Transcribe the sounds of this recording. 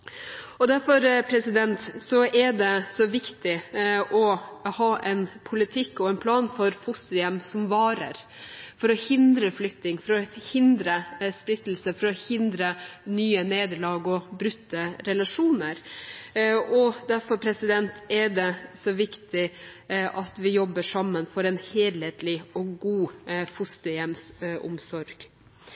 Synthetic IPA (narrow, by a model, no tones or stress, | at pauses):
ɔd̪æɾfɔɾpʰɾɛsɪd̪ɛnt̪sɔʔɛɖɛsɔʋɪkt̪ɪɔhɑːʔɛnpʰʊlɪt̪ʰɪkːɔɛnpʰlɑːnfɔɾfʊsɪɛmsɔmʋɑːɾə̰ɾ | fɔɾɔhɪnd̪ɾəflʏkt̪nɪŋfɔɾɔhɪnd̪ɾəspɾɪt̪ːl̩səfɔɾɔhɪnd̪ɾənyːəneːd̪əɭɑːɡɔbɾʉt̪ːəɾɛlɑʂuːnəɾ | ɔd̪æɾfɔɾpʰɾɛsɪd̪ɛnt̪ɛɖɛsɔʋɪkt̪ɪʔɑt̪ʋɪjɔbːəʂɑmːənfɔɾɛnheːd̪heːt̪lɪɔɡuːfʊst̪əjɛmsʔʊ̰msɔɾɡ̥